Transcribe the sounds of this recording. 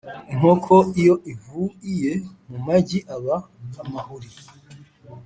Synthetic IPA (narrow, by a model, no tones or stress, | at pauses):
iŋ̥o̞kʰo̞ijo̞ʔivuije̞mumaɟiʔaβa | namahuɾi